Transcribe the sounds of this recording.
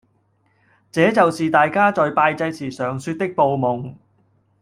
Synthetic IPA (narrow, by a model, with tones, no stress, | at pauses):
t͡sɛː˨˥t͡sɐ˨wsiː˨t̪aː˨jkaː˥t͡sɔː˨jpaː˧jt͡sɐ˧jt͡sʰiː˨˩sœː˨˩ŋsyː˧t̚t̪ɪ˥k̚po˨˧wmʊ˨˩ŋ